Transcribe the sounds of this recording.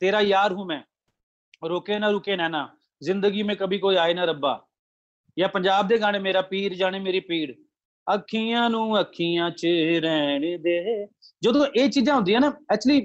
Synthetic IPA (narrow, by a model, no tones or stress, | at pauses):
t̪eːɾaːjaːɾɦũːmɛ̃ː | ɾoːkeːnãːɾʊkeːnɛ̃ːnãː | zɪnd̪əɡiːmẽːkəbiːkoːiːaːeːnaːɾəba̰ː | jãːpəɲd͡ʒaːb̚d̪eːɡaːɽ̃ẽːmeːɾaːpiːɾd͡ʒaːɽeːmeːɾiːpiːɽ | əkʰːiːãːnũːəkʰːiːãːt͡ʃəɾɛːned̪eː | d͡ʒəd̪õːʔeːt͡ʃiːzãːɦʊ̃nd̪iːãːnaːɛt͡ʃliː